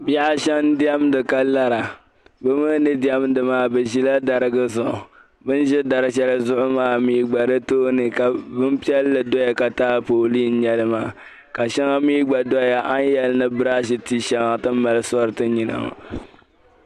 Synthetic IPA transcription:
ba˦a˦ʃɛ˦ndi˦ɛ˦mdɨ˨ka˦la˦ɾa˨ | bɨ˦mɨ˦nɨ˦di˦ɛ˦mdɨ˨maː˦bɛ˨ʒi˦la˦da˨ɾɨ˦ɡɨ˦zʊ˨ʔʊ̰˨ | bɨ˦n˦ʒɛ˦da˨ɾɨ˨ʃ̬ɛ˦lɨ˦zʊ˦ʔʊ˦maː˦miː˦ɡ͡ba˨ɾɨ˦toː˦nɨ˨ka˨bɨ˦m˦pi˦ɛ˦lːɨ˨do˦ja˨ka˨taː˦poː˨li˦n̩˦ɲɛ˦lɨ˦maː˦˨ | ka˨ʃɛ˦ŋa˦miː˦ɡ͡ba˨dɔ˦ja˨ʔa˦n˦jɛ˨lɨ˦nɨ˦bɨ˦ɾa˦ʃi˨ti˦ʃɛ˦ŋa˨tɨ˦m̩˦ma˨lɨ˦sɔ˦ɾɨ˨˦tɨ˦ɲi˨na̰˨ma̰˨

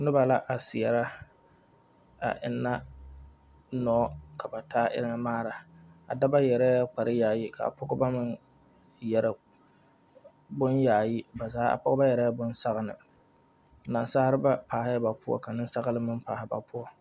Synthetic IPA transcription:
nʊ˦ba˨la˦ʔa˨sɪ˨ɛ˨ɾa˦ | a̰˨ʔɪ̰˨nːa˦ | nɔ˨˦kʰa˨ba˨taː˦ʔɪ̰˦ɾɪ˦ŋa˦maː˦ɾa˨a̰˨da˦ba˦jɛ˨ɾɛ˦a˦k͡pa˨ɾɪ˦jaː˨ji˦kʰa̰˨a̰˨pʰʊ˦ɡʊ˦ba˦mɨ˦n | jɛ˨ɾɪ˨ | bʊ˦njaː˨ji˦ba˨zaː˦a̰˨pɔ˦ʊ˦ba˦jɛ˨ɾɛ˦bʊ˦nsa˦ɣnɨ̰˨ | na˨nsaː˦ɾɨ˦ba˦paː˨hɪ˦ba˨pʊ˦ɔ̰˦ka˨nɨ˦n˦sa˦ɣlɨ˦mɨ˦npa̰ː˨hɪ˦ba̰˨pʰʊ˦ɔ˦

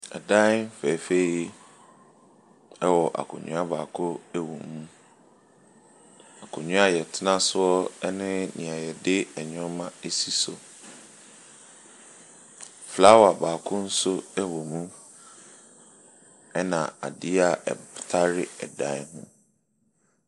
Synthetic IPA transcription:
ɛ̰˨dã˦m˦fɛ˨fe˦i˦ | ɛ˦wɔ˨ʔa̰˨kʰʊ̰̃˨ɲᶣʊ̰̃˦a˦baː˨kʰʊ˦ɛ˦wõ̰˨mũ˦ | a˨kʰʊ̃˨ɲʊ̃˦a˦jɛ˨tʰɪ˦nã˦sʊ˦ɔ˦ɛ˦nɪ̃˦nḭ̃˨a˨jɛ˨dɪ˦ɛ˨ɲʊ̃˦mã˦e˦si˦so˨ | fla˦wa˨baː˨kʰʊ˦n̩˦sʊ˦ɛ˦wo˨mũ˦ | ɛ˦nã̰˨a̰˨dɪ˦a˨ɛ̰˨tʰa˦ɾɪ˦ɛ˨dã˦ɦʊ̰̃˦

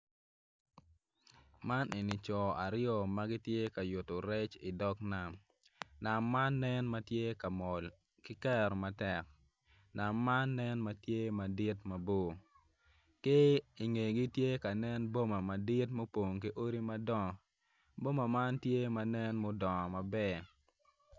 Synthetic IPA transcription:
ma˦ne˨ni˨t͡ʃɔ˨a˨ɾɪjɔ˨ma˦ɡɪ˦tje˦ka˨jʊ˨to˨ɾɛ˦t͡ʃɪ˨dɔ˦kna˨m | na˨mːa˦nːɛ˦nma˦tje˦ka˨mɔ˨l | kɪ˦kɛ˦ɾɔ˨ma˨tɛ˨k̚ | na˨mːa˦nːɛ˦nma˦tje˦ma˨dɪ˦tma˨bo˦˨ | ke˦ɪ˨ŋe˨ɡi˦tje˦ka˨nɛ˦nbo˦ma˨ma˨dɪ˦tmo˦po˨ŋki˦ʔo˦ɾi˦ma˦dɔ˦˨ | bo˦ma˨ma˦ntje˦ma˦nɛ˦nmo˦dɔ˨ma˨bɛ˦˨

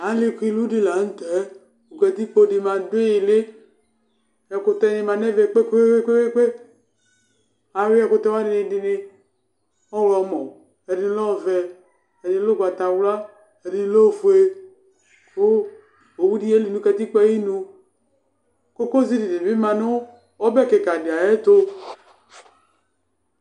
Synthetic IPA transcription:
a˨˦li˦˨kʷi˦lu˦di˨˦la˨n̩˦tɛ˨˦ | u˨ɡɛ˧t̪i˦k͡po˦˨di˧ma˨de˦ji˨le˦ | ɛ˨ko˧t̪ɛ˦ni˧ma˨nɛ˦ve˨k͡pe˦ke˦e˦e˦ke˦e˦k͡pe˦ | a˨˦wi˦ɛ˦ko˦t̪ɛ˦wa˦di˨ni˧di˧ni˧ | ɔ˦wlɔ˨˦mɔ˨ | ɛ˨di˨ni˦lɔ˦˨vɛ˧ | ɛ˨di˨i˦lo˦ɡʷa˨ta˨wla˦ | ɛ˨di˨ni˦lo˦˨vu˨e˦ | kʰo˦ | o˨wu˦di˦e˦li˨nũ˦kɛ˧ti˦k͡pɛ˦i˦nũ˧ | ko˦ko˦zi˦di˨di˨i˦mã˨no˦ | ɔ˦bɛ˦˨ke˨ka˨di˨a˨je˦to˦

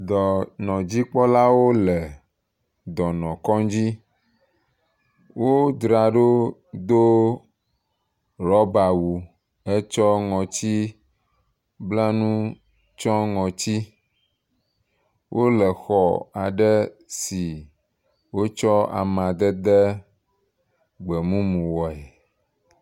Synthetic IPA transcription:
d̪ɔ˨nɔ̃˨d͡ʑi˦k͡pɔ˦la˦wo˦lɛ˨ | d̪ɔ˨nɔ̃˨kɔ̃˦d͡ʑi˦ | wo˦d̪ɾa˨ɖo˦d̪o˦ | ɾɔ˦ba˨wu˨ | e˦t͡ʃɔ˦ŋɔ̃˨t͡ɕi˦ | bla˦nũ˦ | t͡ʃɔ̃˦ŋɔ̃˨t͡ɕi˦ | wʔo˦lɛ˨xɔ˨a˨ɖɛ˦ | si˨ | wo˦t͡ʃɔ˦a̰˨mã˨d̪ɛ˦d̪ɛ˦ | ɡ͡bɛ˨mũ˦mũ˨wɔ˨ɛ˨

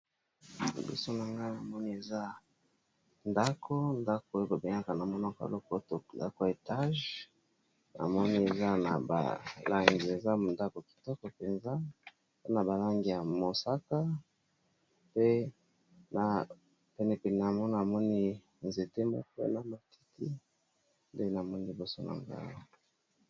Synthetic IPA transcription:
bḭ˦so˦na˨ŋɡa˦na˨mɔ˦ni˦e˨za˦ | nda˦kʰo˦nda˦ko˨˦ba˨be˨ŋa˦ka˨na˨mɔ˦na˦ka̰˨lɔ˦ko˦to˨nda̰˦ko˨e˨ta˦ʒ | na̰˨mɔ˦ni˦e˨za˦na̰˨ba̰˨la˦ŋɡi˨e˨za˦˨nda˦ko˨ki̥˨tɔ˦kɔ˨pe˨nza˦˨ | e˦na˨ba˨la˦ŋɡi˨ja˨mo˨sa˦ka˦ | pe˦ | na˨ | pɛ˨nɛ˨pɛ˨ni˨na˨mɔ˦n˨a˨mɔ˦ni˦ | nze˨te˦mɔ̰˦kḛ˦na˨ma˨ti̥˦ti˦ | nde˦na˨mɔ˦ni˦li˨bo˨so˦na̰˨ŋɡa̰˦la˨

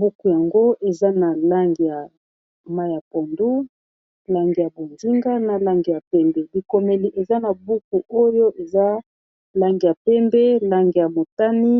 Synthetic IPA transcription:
bu˦ku˨ja˨ŋɡo˦e˨za˦na˨la˦ŋɡi˨ja˨ | ma˦ja˨pɔ˨ndu˦ | la˦ŋɡi˨ja˨bo˨nzi˦ŋɡa˦na˨la˦ŋɡi˨ja˨pɛ˦mbɛ˨li˨ko˨me˨li˨ʔe˨za˦na˨bu˦ku˨ʔo˦jo˦ʔe˨za˦ | la˦ŋɡi˨ja˨pɛ˦mbɛ˦la˦ŋɡi˨ja˨mo˨ta˦ni˦

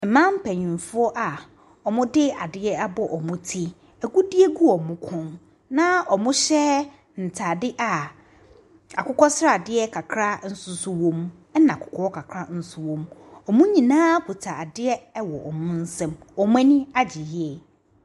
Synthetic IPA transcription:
m̩˨mã˦m̩˦pʰɛ̃˨ɲĩ˨n˨fʊ˦ɔ˦ʔa˨ | ɔ˨mʊ̃˦dɪ˦a˨dɪ˦ɛ˦a˦bɔ˦ʔɔ˨mʊ̃˦tʰi˦ | æ˨ɡu˦dɪ˦ɛ˦ɡu˦ɔ˨mʊ̃˦kʰʊ̃˦n | nã˦ɔ˨mʊ̃˦ɕɛ˦ | n̩˨tʰa˨dɪ˦ʔa˨ | a˨kʰʊ˦kɔ˦sɾa˨dɪ˦ɛ˦kʰa˨kʰɾa˦n̩˦sʊ˦sʊ˦wɔ̃˦m | ɛ˦nã˨kʰʊ̥˨kʰɔ˦ɔ˦kʰa˨kʰɾa˦n̩˦sʊ˦wɔ̃˨mɔ˨mʊ̃˦ɲĩ˨nãː˦kʰu˨tʰa˨a˨dɪ˦ɛ˦wɔ̰˨ʔɔ˨mʊ̃˦n̩˦sɛ̃˦mɔ˨mʊ̃˦ɛ̃˦nĩ˦a˦d͡ʑi˨jɪ˦˨˦ɛ˨

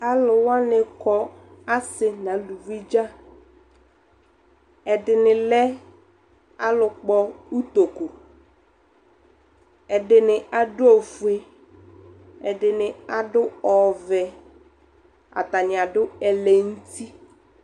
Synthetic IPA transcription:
a˦lʊ˨wa˦nɪ˨kʰɔ˦a˦sɪ˨nã˨lu˨vi˦d͡ʒa˦ | ɛ˨dɪ˨nɪ˨lɛ˦ | a˦lʊ˨k͡pɔ˦u˦t̪o˨ko˨ | ɛ˨dɪ˨nɪ˨a˨dʊ˦o˨fu˨e˦ | ɛ˨dɪ˨nɪ̃˨a˨dʊ˦ɔ˨vɛ˨ | a̰˨ta˨nɪ˨a˨dʊ˦ɛ˨lɛ˨n̩˦ti˦

